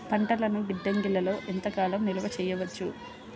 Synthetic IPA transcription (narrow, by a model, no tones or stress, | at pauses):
pɐɳʈɐlɐnuɡiɖːeŋɡilːɐlo̞ːʔint̪ɐkaːlɐmnilɐʋɐt͡ʃɛːjɐʋɐt͡ʃːu